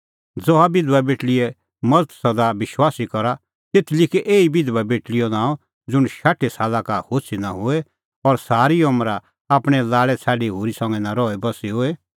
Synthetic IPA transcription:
d͡zɔabɪd̪ʋabeːʈlɪɛ | mɐd͡zt̪ʰsɐd̪aʋɪʃwaːsikɔɾa | t̪eːt̪ʰlɪkeʔeːibɪd̪ʋabeːʈlɪjɔnãːɔ̃ | d͡zʊɽ̃ʃaːʈʰesaːlakahoːsʰinaɦʊe | ɔɾsaːɾiɔmɾa | aːpɽ̃ɛlaːɭɛt͡sʰaːɖiɦoːɾisɔ̃ŋɡɛnaɾɔːɛbɐsiɦʊːe

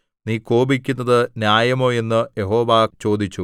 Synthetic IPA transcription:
niːko̞ːbikʲːunːɐðɨnjaːjɐmo̞ːe̞nːɨjeɦo̞ːʋaːkt͡ɕo̞ːd̪it͡ɕːu

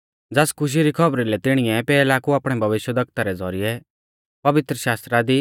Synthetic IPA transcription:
d͡zɛskʰʊʃ̬iɾikʰɐbɾilɛt̪ɪɽ̃ɪɛpɛːlakuaːpɽ̃ɛbʱɐʋɪʃjəd̪ɐɡ̚t̪aɾɛd͡zɔɾijɛ | pɐʋɪt̪ɾəʃaːst̪ɾad̪i

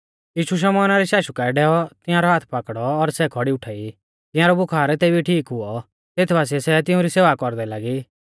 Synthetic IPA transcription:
jiːʃuʃ̬ɔmɔːnaɾɛʃaːʃukaɛɖɛːɔt̪ɪjãɾɔɦaːt̪ʰpakɽɔːɾsɛkʰɔɽiʊʈʰaːi | t̪ɪ̃jãɾɔbʊkʰaːɾt̪eːbiʈʰiːkɦʊɔ | t̪eːt̪ʰbaːs̬iɛsɛt̪̬ɪʊ̃ɾiseːʋakɔɾd̪ɛlaɡi

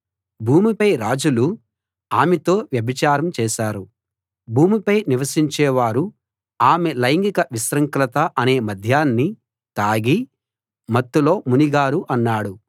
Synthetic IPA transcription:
bʱuːmipɐjɾaːd͡ʒulu | aːmet̪o̞ːʋjɐbit͡ʃaːɾɐmt͡ʃɛːʃaːɾu | bʱuːmipɐjniʋɐsiɲt͡ʃɛːʋaːɾu | aːmelɐjŋɡikɐʋisɾɐŋklɐt̪ɐʔɐneːmɐd̪ʱjaːnːi | t̪aːɡi | mɐt̪ːulo̞ːmuniɡaːɾuʔɐnːaːɽu

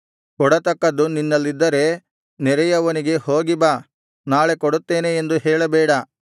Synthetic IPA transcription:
kɔɽɐt̪ɐkːɐd̪uninːɐlːid̪ːɐɾe̞ | nɛɾɛjɐʋɐniɡe̞ho̞ːɡibɐ | naːɭe̞kɔɽut̪ːe̞ːneːnd̪uɦɛːɭɐbɛːɽɐ

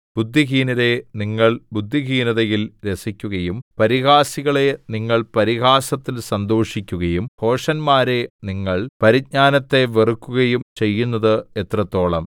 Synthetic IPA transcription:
bud̪ʱːiɡiːnɐðe̞niŋːɐɭbud̪ʱːiɡiːnɐðɐjilɾe̞sikʲːuɣɐjumpɐɾiɣaːsiɣɐɭe̞niŋːɐɭpɐɾiɣaːsɐt̪ːilsɐnd̪o̞ːʂikʲːuɣɐjumho̞ːʂɐnmaːɾe̞niŋːɐɭpɐɾiɲaːnɐt̪ːe̞ʋerukːuɣɐjumt͡ɕe̞jːunːɐðɨet̪rɐt̪ːo̞ːɭɐ̰m

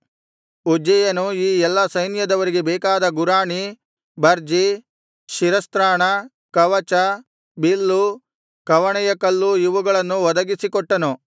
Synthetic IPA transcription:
ud͡ʒɛjɐnuiːɛlːɐsɐjnjɐd̪ɐʋɐɾiɡebɛːkaːd̪ɐɡuɾaːɳi | bɐɾd͡ʒi | ʃiɾɐst̪ɾaːɳɐ | kɐʋɐt͡ʃɐ | bilːu | kɐʋɐɳɛjɐkɐlːuiʋuɡɐɭɐnːuʋɔd̪ɐɡisikɔʈːɐnu

